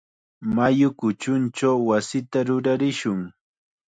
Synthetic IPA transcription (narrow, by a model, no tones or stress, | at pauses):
majʊkʊt͡ʃʊnt͡ʃawwasɪt̪aɾʊɾaɾɪʃʊŋ